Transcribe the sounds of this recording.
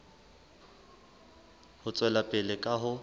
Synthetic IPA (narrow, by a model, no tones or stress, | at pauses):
hʊt͡sʼwɛlapʼɪlɪkʼaɦʊ